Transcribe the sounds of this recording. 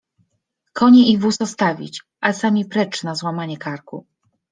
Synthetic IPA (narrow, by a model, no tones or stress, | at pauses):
kʰɔɲɛivusɔst̪avʲḭt͡ɕ | ʔasamʲipɾɛt͡ʂnazwamaɲɛkaɾkṵ